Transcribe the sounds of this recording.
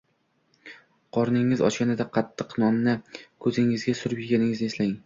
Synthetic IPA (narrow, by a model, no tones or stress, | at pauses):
qʰɒɾnɪŋɪzɒ̰t͡ʃkʲanɪd̪aqʰɑt̪ʰːɨqnɒmnɪkʰɵzɪŋɪzɡʲasʊɾɪpjɪɡʲanɪŋɪzɪeslaɪŋ